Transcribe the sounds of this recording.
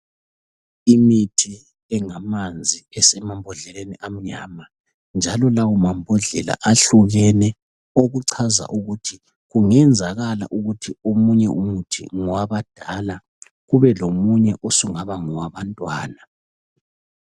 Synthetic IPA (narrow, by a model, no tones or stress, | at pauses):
imitʰi | ɛŋamand͡zʱiɛsɛmambʱɔɮɛleniʔam̩ɲa̰ːma | nd͡ʒʱalɔlawumambʱɔɮɛla̰ʔaɬuɣɛnɛ | oɣuǀʰaza̰ʔuɣutʰi | ɣuŋɛnd͡zʱaɣala̰ʔuɣutʰiomuɲɛʔumutʰḭŋɔwaβad̥ʱala | ɣuβɛlomuɲɛʔosuŋaβaŋɔwaβantʼwaːna